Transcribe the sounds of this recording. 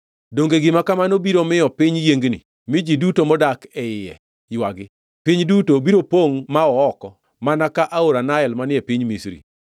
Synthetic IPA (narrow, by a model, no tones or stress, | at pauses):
doŋɡeɡɪmakamanobiɾomɪɔpɪɲjeŋɡnḭ | mɪd͡ʒidutomɔdakɛɪjɛ̰ | jwaɡɪ | piɲdutobiɾopoŋmaɔɔkɔ | manakaʔaoɾanaɛlmanɪɛpiɲmisɾḭ